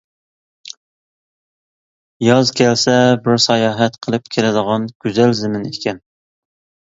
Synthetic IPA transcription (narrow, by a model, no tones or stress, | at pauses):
jɑzkʲʰælsɛbɪɾsɑjɑːɦɛt̪qʰəlˠɨp̚kʲʰelɪd̪əʁɑnɡ̥ʲyzɛlzɪmɪnekʲɛn